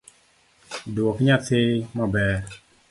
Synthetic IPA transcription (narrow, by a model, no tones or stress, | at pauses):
doɔkiɲatemɔbɛ